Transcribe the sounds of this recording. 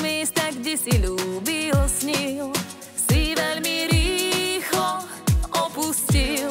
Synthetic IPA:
miːst̪aɡɟɛsilubilsɲil | siʋɛlmiɾiːxlɔ | ɔpuscil

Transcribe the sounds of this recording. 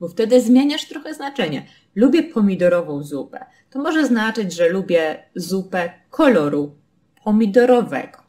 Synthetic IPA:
bɔft̪ɛd̪ɘzmʲjeɲaʂt̪ɾɔxɛznat͡ʂɛɲɛ̰ | lubʲjɛpʰɔmʲid̪ɔɾɔvɔ̃w̃zupɛ̰ | t̪ɔmɔʐɛznat͡ʂɘd͡ʑʐɛlubʲjɛzupɛkʰɔlɔɾu | pʰɔmʲid̪ɔɾɔvɛ̰ɡ̥ɔ

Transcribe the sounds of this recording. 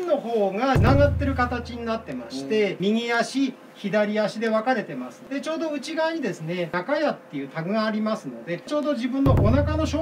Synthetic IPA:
no̞ho̞ːɡanaɡat̪ːe̞ɾɯ̟kat̪at͡ɕiɲ̟inat̪ːe̞ma̰ɕi̥t̪e̞mʲiŋiaɕi | çid̪aɾʲiaɕid̪e̞βakaɾe̞t̪e̞masɨ̥d̪̥e̞t͡ɕo̞ːd̪o̞ɯ̟t͡ɕiɡaaɲ̟id̪e̞sɨne̞nakajat̪ːe̞jɯ̟t̪aɡɯ̟ɡaːɾʲimasɨno̞d̪e̞t͡ɕo̞ːd̪o̞ʑibɯ̟̃nːo̞ʔonakano̞ɕoː

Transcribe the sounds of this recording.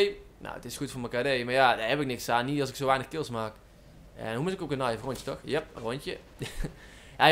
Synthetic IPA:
nʔo̰wətɪsxutfoːrməkadejmaːrjadahɛpɪk̚nɪksaːnːiɑlˠsɪksoʋɛjnəxkɪlˠsmaːk | ɛ̰nhumutɪkokənɑjəfrɔnjə̥tɔxjɛp̚rontjə | a

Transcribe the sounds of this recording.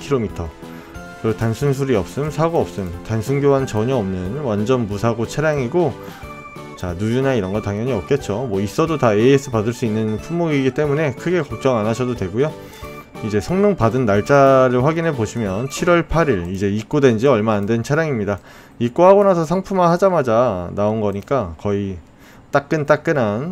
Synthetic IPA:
kʰiɾomitʰʌ | kɯɾʌtansʰuŋs̬ʰuɾiʌp̚s͈ɯmsʰaɡoʌp̚s͈ɯmtansʰuŋɡjoɦant͡ɕʌɲʌʌmnɯnwand͡ʑʌnmusʰaɡot͡ɕʰaɾjaŋiɡo | t͡ɕanud͡ʑunaiɾʌnɡʌtaŋjʌɲiʌp̚k͈e̞t̚t͡ɕ͈omwʌis͈ʌdotaees͈ʰɯpadɯɭs͈uinːɯnpʰumːoɡiɡit͈e̞mune̞kʰɯɡe̞kʌk̚t͡ɕ͈ʌŋanaɕʰʌdodwe̞ɡojo | id͡ʑe̞sʰʌŋnoŋpadɯnːaɭt͡ɕ͈aɾɯɭɸwaɡinɦe̞boɕʰimjʌnt͡ɕʰiɾwʌɭpʰaɾiɾid͡ʑe̞ik͈̚odwe̞nd͡ʑiʌɭmaːndwe̞nt͡ɕʰaɾjaŋimɲida | ik͈̚ohaɡonasʰʌs̬ʰaŋpʰumanhad͡ʑamad͡ʑanaonɡʌɲik͈akʌi | t͈ak͈ɯnt͈ak͈ɯnan

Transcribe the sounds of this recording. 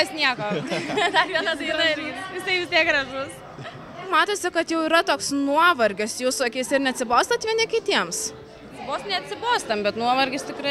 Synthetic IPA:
ɐsnʲiɛkoːd̪ɐʋʲiɛnɐt̪ɐdɐɾʲiːt̪ʋʲɪsɐɪʋʲɪsʲt̪ʲiɛk̚ɡrɐʒʊs | mɑːt̪oːsʲɪkɐt̪jɛʊiːɾɐt̪oːksnuɔʋɐɾʲɡʲɪsjuːsɐkʲɛɪsɪɾnʲɛɐt̪ʲsʲɪboːst̪ɐt̪ʋʲiɛnʲɪkʲɪt̪ʲiɛms | sʲɪboːst̪nʲɛɐt̪ʲsʲɪboːst̪ɐmbʲɛt̪nuɔʋɐɾʲɡʲɪst̪ʲɪkɾɐ

